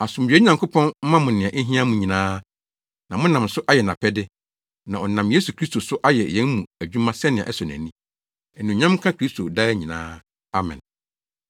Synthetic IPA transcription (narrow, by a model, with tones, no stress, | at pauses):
a˨sʊ˨m̩˨ɥᶣe˦ɲã˨ŋkʰo˦pʰɔ̃˦n̩˦mã˦mʊ̃˨nɪ̃˨ã˨ʔe˦ɦĩ˦ã˦mũ˨ɲĩ˨nãː˦ | nã˨mʊ̃˦nã˨msʊ˦ʔa˦jɛ˨nã˨pʰɛ˦dɪ˦ | nã˨ɔ˨nã˨mje˦su˨kʰɾi˦sto˨sʊ˦ʔa˦jɛ˨jɛ̃˦nmũ˨æ˨d͡ʑᶣu˦mã˦sɛ˦nɪ̃˨a̰˨ʔɛ˦sɔ˨næ̰̃˨nĩ˦ | ɛ˨nũ˨ɲã˦mkʰã˦kʰɾi˦stʰo˨daː˦ɲĩ˨nã̰ː˦ | a˨mɛ̰̃˨n